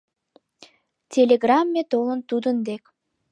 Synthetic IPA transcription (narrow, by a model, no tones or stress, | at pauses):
tʲelʲeɡrɑmːet̪olənt̪ud̪ənd̪ek